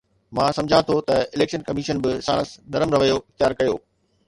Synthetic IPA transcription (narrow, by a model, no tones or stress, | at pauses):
mãːsɐ̃md͡ʑʱãt̪ʰot̪ɐɪleːkʃənkɐmiːʃənbɪsã̰ːɽ̃sd̪ɐɾəmɾɐʋəjoɪxt̪jaːɾkɐjo̰ː